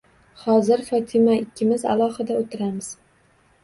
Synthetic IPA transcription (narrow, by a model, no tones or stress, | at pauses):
hɒzɪɾfɒt̪ʰɪmaɪkʲːɪmɪza̰lˠɒhɪd̪aot̪ʰɪɾamɪz̥